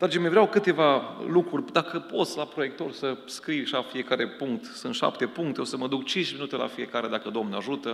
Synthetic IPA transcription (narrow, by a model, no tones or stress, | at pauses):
d̪ɾad͡ʒemevɾeawkɨt̪e̞valukɾurʲd̪akəpo̞t̪sʲlapɾoje̞kt̪o̞rsəskɾijʃafie̞kaɾe̞puŋk̚t̪sunt̪ʃa̰pt̪e̞puŋkt̪eosəməd̪uk̚t͡ʃint͡ʃminut̪e̞la̰fije̞kaɾe̞d̪akəd̪omnaʒut̪ə